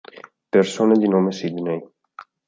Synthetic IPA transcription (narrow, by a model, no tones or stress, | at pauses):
persoːned̪inoːmesid̪nej